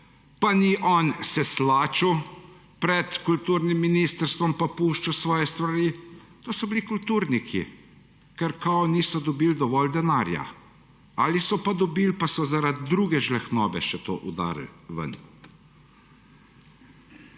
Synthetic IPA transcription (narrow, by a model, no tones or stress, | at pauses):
paniʔɔːnsɛslaːt͡ʃuw | pɾɛt̪kult̪uːɾnimːinist̪əɾst̪ʋɔmpapuːʃt͡ʃusʋɔːjɛst̪ʋaɾiː | t̪oːsɔbilikult̪uːɾnikʰḭ | kɛɾkawniːsɔd̪ɔbiːld̪ɔʋɔld̪ɛnaːɾja̰ | alisɔpad̪ɔbiːlpasɔzaɾad̪d̪ːɾuːɡɛʒlɛxnɔːbɛʃɛt̪o̰ːʔud̪a̰ːɾlʋə̰n